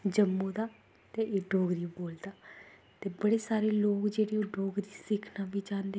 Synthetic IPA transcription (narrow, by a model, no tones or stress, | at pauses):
d͡ʒəmːũːd̪aː | t̪eʔeːɖoːɡɾiːboːld̪aː | t̪eːbəɽeːsaːɾeːloːkd͡ʒeːɽiːoːɖoːɡɾiːsɪkʰnãːʋiːd͡ʒãːnd̪e